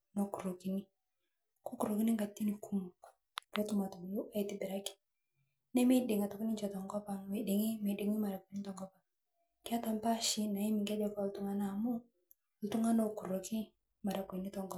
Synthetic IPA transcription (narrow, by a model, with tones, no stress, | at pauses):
no˨ku˨ɾo˨ki˨ni˦ | ko˦ku˨ɾo˨ki˦ni˦ŋɡa˨tːi˦ni˨ku˦mu˨ | kɛ˦tu˦ma˨tu˨m˨ju˦ʔa˦i˨˦ti˨bi˨ɾa˦ki̥˨ | nɛ˦mi˦de˨ŋa˨tɔ˨ki˦ni˦ɲt͡ʃɔ˨tɔ˨ŋɡɔ˦pa˨ŋwe˨de˨ŋi˦me˨de˨ŋi˦ma˨ɾa˨ku˨ni˦tɔ˨ŋɡɔ˦pa˨ | ki˦a˦ta˨mpa˦ʃi˦na˨i˦mi˨ŋɡa˦d͡ʒɔ˨kɔ˦˨ltu˦ŋa˦na˦˨mu˦˨ | ltu˦ŋa˦no˨ku˨ɾo˨ki˦ | ma˨ɾa˨ko˨ni˦tɔ˨ŋɡɔ˦